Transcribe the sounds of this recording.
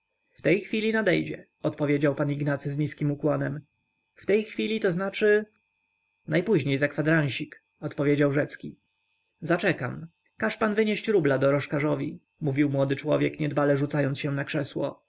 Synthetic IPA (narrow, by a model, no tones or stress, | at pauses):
ft̪ɛjxfʲilʲinad̪ɛjd͡ʑɛ | ɔt̪pɔvʲjed͡ʑawpaniɡnat̪sɘzɲiskʲimukwɔnɛm | ft̪ɛjxfʲilʲit̪ɔznat͡ʂɘ | najpuʑɲejzakfad̪ɾaɲ̃ɕik | ɔt̪pɔvʲjed͡ʑawʐɛt̪skʲi | zat͡ʂɛkam | kaʂpanvɘɲeɕt͡ɕɾublad̪ɔɾɔʂkaʐɔvʲi | muvʲiwmwɔd̪ɘt͡ʂwɔ̰vʲjɛkɲɛd̪balɛʐut̪sajɔnt̪ɕɛ̃nakʂɛswɔ̰